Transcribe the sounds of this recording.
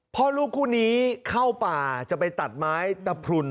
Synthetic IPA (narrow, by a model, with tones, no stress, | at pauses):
pʰɔ˦˥luː˥˩kʰːuː˥˩niː˦˥kʰa˥˩wpaː˨˩t͡ɕa˨˩pa˧jt̪a˨˩t̪̚maː˦˥jt̪ɛː˨˩pʰɾu˧n